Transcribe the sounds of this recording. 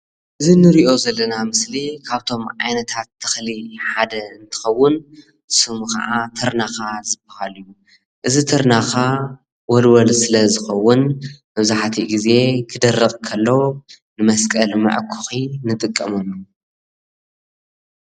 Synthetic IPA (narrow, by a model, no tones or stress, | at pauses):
ʔɨzinɨɾiʔozɐlːɐnamɨslikʰaβt̪ʰo̞mʕajnɐt̪ʰat̪ʰːɨ̥xliħad̪ɐɨnt̪ʰɨ̥xɐwːʊn | sɨmxɐ̰ʕat̪ʰɐɾnaxazɨbɐhalɨju | ʔɨzit̪ʰɨɾnaxa | wɔlwɐlsɨlɐzɨxɐwːʊnmɐβzaħt̪ʰiɡize̞kʰɨd̪ɐrːɨχʼkʰɐlːɐw | nɨmɐskʼɐlmɐ̰ʕkʰuxinɨt̪ʼɨkʼːɐmɐnu